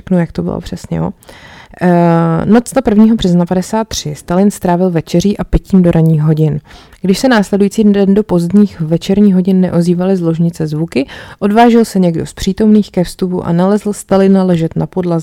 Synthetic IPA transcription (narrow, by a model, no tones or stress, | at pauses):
knujak̚t̪obɪ̰lo̰pr̥ɛsɲɛ̰jo̰ | not͡st̪apr̩vɲiːɦo̞brɛznapadɛsaːt̪ːr̝̥ɪst̪alɪnst̪ɾaːvɪlvɛt͡ʃɛr̝iːʔapɪciːmdo̞ɾʔaɲiːxɦo̞ɟɪnɡ̥dɪʃsɛnaːslɛdujiːt͡siːdɛndo̞po̞zd̪ɲiːxvɛt͡ʃɛɾɲiːxɦo̞ɟɪnːɛ̰ʔo̞ziːvalɪzlo̞ʒɲɪt͡sɛzvukɪʔo̞dvaːʒɛlsɛɲɛɡdo̞spr̥iːt̪o̞mniːxkɛfst̪upṵʔa̰nalɛzl̩st̪alɪnalɛʒɛt̪napo̞dlazɪ